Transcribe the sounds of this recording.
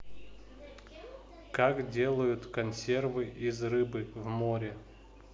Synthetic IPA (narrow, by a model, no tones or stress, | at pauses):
kakdʲelˠəjʊt̪kɐnʲsʲe̞rvɨʔizrɨbɨvmoɾʲɪ